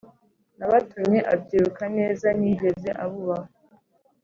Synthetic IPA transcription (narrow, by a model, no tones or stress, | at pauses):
naβatumɲe̞ʔa̰bɟiːɾukane̞ːzaniːɡe̞ze̞ʔaβuβaho